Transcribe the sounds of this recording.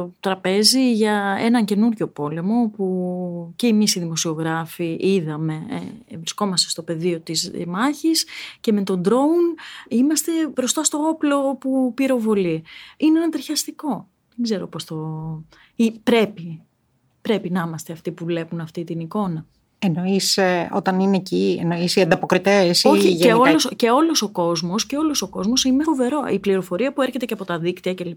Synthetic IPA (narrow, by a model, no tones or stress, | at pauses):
ot̪ɾɐpe̞ziʝɐe̞̰nɐɲce̞nuɾʝo̞po̞le̞mo̞puceimisiðimo̞sio̞ɣɾɐfiʔiðɐme̞ḛvɾisko̞mɐst̪est̪o̞pe̞ðio̞t̪izmɐçisce̞me̞t̪o̞nd̪ɾo̞unimɐst̪e̞bɾo̞st̪ɐst̪o̞o̞plo̞pupiɾo̞vo̞liineenɐt̪ɾiçɐst̪iko̞ | ðeɡze̞ɾo̞po̞sθo | ipɾe̞pi | pɾe̞pinɐimɐst̪eɐft̪ipuvle̞punɐft̪it̪iniko̞nɐ | eno̞iseo̞̰t̪ɐnineciḛnoisiɐnd̪ɐpokɾit̪esoiʝeolosce̞o̞lo̞so̞ko̞zmo̞sce̞o̞lo̞so̞ko̞zmo̞sinefove̞ɾo̞ʔipliɾo̞fo̞ɾiɐpueɾçet̪e̞cɐpo̞t̪ɐðikt̪iɐcel